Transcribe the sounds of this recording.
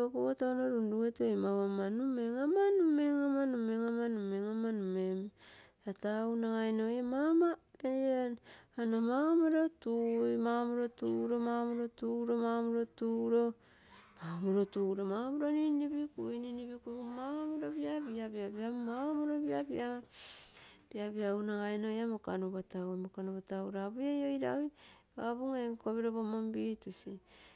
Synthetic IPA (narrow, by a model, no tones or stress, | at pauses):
okotaonoɾunduetojmawamanumeŋamanumeŋamanumeŋamanumeŋamanumem | ataunaŋajnojemamaejeanamaomoɾotujmamuɾo̞tuɾo̞mamuɾo̞tuɾo̞mamuɾotuɾo̞ | mamuɾotuːɾomamuɾoninibikujniniβikumaomuɾobiabiabiabiamaomoɾobiabia | b̥iaβiaunaɡaenojamokanuβataojmokanuβatauɾabujejojɾa̰j | aβuŋeŋkoβiɾoβomombitusi